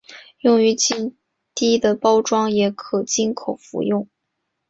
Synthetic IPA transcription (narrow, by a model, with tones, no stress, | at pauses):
jʊ˥˩ŋy˧˥t͡ɕi˥ | t̪i˥˩d̪ə˨pɑ˥ʊʈ͡ʂwɑ˥ŋjɛ˧˥kʰɤ˨˩t͡ɕi˥ŋkʰo˨˩ʊfṵ˧˥jʊ˥˩ŋ